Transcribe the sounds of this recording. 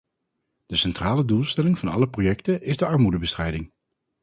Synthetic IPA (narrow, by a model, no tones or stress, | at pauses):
d̥əsɛntraːlədulˠstɛlɪŋvɑnɑ̰ləprojɛktənʔɪzdəɑɹmudəbəstrɛjdɪŋ